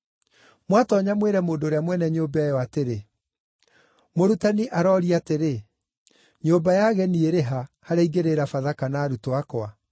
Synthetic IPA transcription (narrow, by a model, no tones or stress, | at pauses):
mwatɔɲamweɾɛmoːdoːɾeamwɛnɛɲoːbɛjɔateɾe | moɾutaniʔaɾɔɾiateɾe | ɲoːbajaɣɛnieɾeɦahaɾaiɡeɾeɾafaðakanaːɾutoakowa